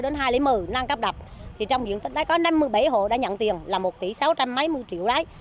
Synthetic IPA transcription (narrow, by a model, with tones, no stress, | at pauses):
ɗe˨˦nɦaː˧jlḭ˧˥˦mɨ˨˩naː˧ŋkə˦˥p̚ɗa˨˩p̚t̪ʰi˨˩t͡ɕɔ˧wŋ͡mzḭ˧˨ənt̪ï̟˨˦˥laː˨˦jkɔ˨˦na˧mːɨ˧əjɓa˧˩jɦo̰˧˨ɗa̰˧˥ɲə̰˧˨nt̪i˨˩əŋlaː˨˩mo˨˩t̪i˧˩sa˨˦wt͡ɕa˧mːə˨˦jmɨ˧əjt͡ɕḭ˧˨əwlaː˨˦j